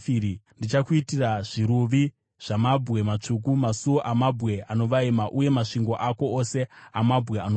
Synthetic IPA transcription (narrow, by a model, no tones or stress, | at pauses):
iɾindit͡ʃakuitiraʐiɾuʋi | ʐ̥amabɣe̞mat͡ʂuk̬umasuoʔamabʱɣe̞ano̞ʋaimaʔuje̞maʂiŋɡo̞ʔako̞ose̞amabʱɣeano